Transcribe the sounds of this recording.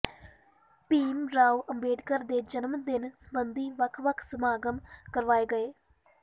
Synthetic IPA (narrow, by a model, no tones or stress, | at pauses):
piːmɾaːuəmbeːɖkəɾd̪eːd͡ʒənmd̪ɪnsəbənd̪iːʋəkʰʋəkʰsəmaːɡəmkəɾʋaːeːɡəeː